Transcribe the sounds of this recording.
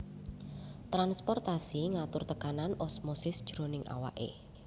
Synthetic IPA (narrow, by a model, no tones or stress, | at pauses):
t̪ɾanspɔrt̪asiŋat̪ʊrt̪əkananɔsmosɪsd̥ʒ̥ɾo̤nɪŋʔa̰wa̰ʔḛ